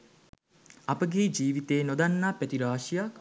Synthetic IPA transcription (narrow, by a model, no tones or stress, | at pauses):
apəɡeːd͡ʒiːʋit̪eːnod̪anːaːpæt̪iɾaːʂijak